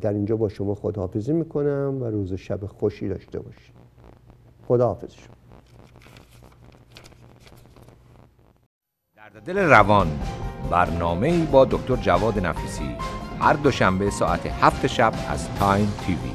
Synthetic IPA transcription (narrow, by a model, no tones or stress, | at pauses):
d̪æɾind͡ʒɒːbɒːʃomɒːxod̪hːfeziːmiːkʰonæmvæɾuːzeʃæbexoʃiːd̪ɒ̰ːʃt̪e̞̰bɒ̰ːʃi̥ | xod̪ɒːhɒːfez̥i̥ʃo̥m | d̪̥æɾd̪ed̪eleɾævɒnbæɾnɒːme̞iːbɒːd̪okʲt̪ʰo̞ɾd͡ʒævɒːd̪enæfiːsḭːhæɾd̪oʃæmbe̞sɒ̰ːʔæt̪ʰehæft̪ʰeʃæbæ̰zt̪ʰɑjnt̪ʰivḭ